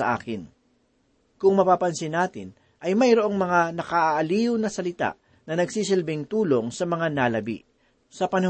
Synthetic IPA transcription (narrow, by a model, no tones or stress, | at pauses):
ɐ̰ʔa̰ːkɪn | kʊŋmɐpapɐnsɪnaːt̪ɪ̰n | ʔɐjmɐjɾoʔo̞ŋmɐŋanɐkaʔaʔɐliːʊnɐsɐlɪt̪a̰ʔ | nɐnɐɡsiːs̬ɪlbɪŋt̪uːlo̞ŋsɐmɐŋanalɐbḭʔ | sɐpɐnɐ